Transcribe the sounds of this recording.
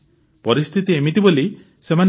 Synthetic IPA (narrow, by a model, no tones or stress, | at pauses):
pɔɾist̪ʰit̪iemit̪iboli | seman